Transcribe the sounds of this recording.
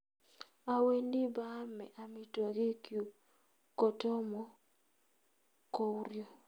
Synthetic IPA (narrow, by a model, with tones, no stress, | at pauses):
a˨we˦ndɪ˦ba˦mɛ˨ʔa˨mɪ˨to˨ɡɪ˦kju˨ | ko˨to˦mɔ˦ | ko˦wɾjo˨